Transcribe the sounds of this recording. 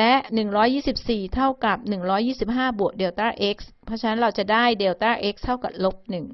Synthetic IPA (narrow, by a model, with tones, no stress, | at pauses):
lɛ˦˥ʔnɯ˨˩ŋɾɔː˦˥jːiː˥˩si˨˩p̚siː˨˩t̪ʰa˥˩wka˨˩p̚nɯ˨˩ŋɾɔː˦˥jiː˥˩si˨˩p̚ɦaː˥˩bu˨˩ək̚deː˧wt̪aː˥˩ʔe˦˥k̚spʰɔ˦˥t͡ɕʰa˧˥na˦˥nɾa˧wt͡ɕa˨˩daː˥˩jde˧wt̪aː˥˩ʔe˦˥k̚t̪ʰa˥˩wka̰˨˩p̚lo˦˥p̚nɯ˨˩ŋ